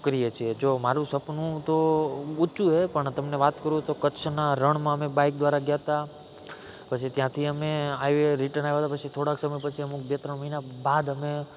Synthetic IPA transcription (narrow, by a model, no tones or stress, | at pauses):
kɾiet͡ʃʰied͡ʒomaɾũsəpnũt̪out͡ʃũɦepəɳt̪əmneʋat̪kəɾũt̪okət͡ʃʰnaɾəɳmãəmebaik̚d̪ʋaɾaɡjat̪a | pət͡ʃʰit̪jãt̪ʰiəmeajʋeɾiʈənajʋaɦət̪apət͡ʃʰit̪ʰoɽaksəməjpət͡ʃʰiəmuk̚ʰbet̪ɾəɳməɦinabad̪əme